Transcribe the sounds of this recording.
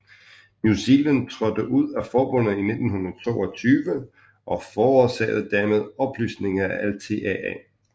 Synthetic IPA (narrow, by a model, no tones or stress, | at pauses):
njusilæn̚t͡sʰʁɒ̽d̥əʔuð̰ˠæfɒːb̥ɔ̽n̰ð̩ˠine̝d̥n̩ɦunɐðˠt͡sʰo̝̰ːɒ̽t͡sʰyːʋə | ʔɒ̽fɒːɒsɛ̰ːɪð̞̩ˠd̥æɐ̰með̞ˠɒ̽b̥lyːsne̝ŋɐæʔælt͡sʰe̝̰ːɛɛ̰